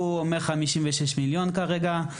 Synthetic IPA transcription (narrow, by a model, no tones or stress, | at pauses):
umeχamiʃimveʃeʃmiljonkaʁeɡa